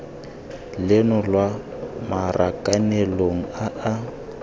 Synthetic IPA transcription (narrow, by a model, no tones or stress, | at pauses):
lɪnʊlwamarʔakʼaneloŋ̩aː